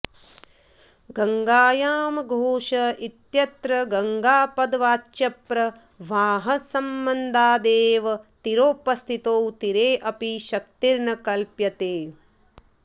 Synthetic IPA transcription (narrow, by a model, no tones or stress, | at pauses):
ɡɐŋɡaːjaːmɐɡʱoːʃɐʔit̪jɐt̪ɾɐɡɐŋɡaːpɐd̪ʋaːtʃɐpɾɐ | ʋaːɦɐsɐmbɐnd̪ʱaːd̪eːʋɐt̪iɾoːpɐst̪ʰit̪oːwt̪iɾeːʔɐpiʃɐk̚t̪iɾɳɐkɐlpjɐt̪eː